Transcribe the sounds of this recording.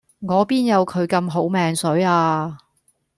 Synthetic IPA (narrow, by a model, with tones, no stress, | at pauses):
ŋɔː˨˧piː˥njɐ˨˧wkʰɵ˨˧ɥkɐ˧mɦo˨˥wmɛː˨˧ŋsɵ˨˥ɥaː˧